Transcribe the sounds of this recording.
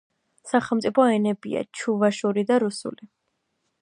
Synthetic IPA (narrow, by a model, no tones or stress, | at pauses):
saχɛlˠmt̪sʼipʰɔɛnɛbia̰t͡ʃʰuvaʃuɾid̪aɾusṵli